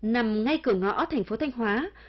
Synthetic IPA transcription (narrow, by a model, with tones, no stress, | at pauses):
na˨˩mŋa˧jkɨ˨˧˩əŋɔ̰˧˥t̪ʰa˨˩jŋ̟fo˨˦t̪ʰa˧jŋ̟ɦwaː˨˦